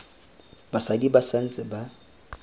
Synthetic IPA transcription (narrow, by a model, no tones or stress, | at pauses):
basadibasan̩t͡sʼɪba